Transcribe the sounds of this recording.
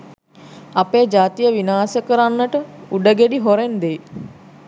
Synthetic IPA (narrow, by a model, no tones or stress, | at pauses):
apeːd͡ʒaːt̪ijəʋinaːsəkəɾanːəʈəuɖəɡeɖiɦoɾend̪e